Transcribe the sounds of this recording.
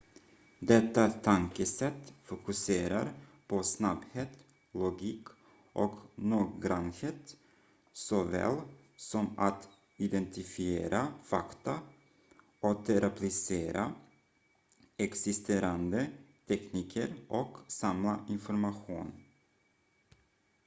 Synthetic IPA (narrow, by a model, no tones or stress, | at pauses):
d̪ɛt̪ːat̪ʰaŋkəsɛt̪ːfʊkɵseːɾa̰ɾpʰɔsnabheːt̪ | lʊɡiːk | ʔɔknuːɡɡɾanheːt̪ | sɔvɛ̰ːl | sɔmat̪ | ɪd̪ɛnt̪ɪfɪeːɾafakt̪a | ʔɔt̪ʰɛɾʔɛpʰlɪseːɾa | ɛksɪst̪ʰeːɾand̪ət̪ʰɛkniːkʰəɾʔɔksamlaʔɪnfɔɾmaɧṵːn